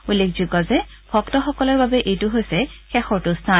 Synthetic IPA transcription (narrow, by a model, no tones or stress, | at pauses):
ulːekʰzukɔzɛ | bʰɔktɔxɔkɔlɔɹbabɛʔejtʊɦojsɛxɛxɔɹtʊstʰa